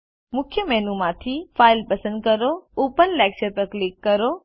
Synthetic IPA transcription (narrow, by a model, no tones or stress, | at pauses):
mʊkʰjəmɛɦnumãt̪ʰifaːɪlpəsə̃nd̪̚kəɾooːpənlɛːk̚t͡ʃəɾpəɾklɪkːəɾo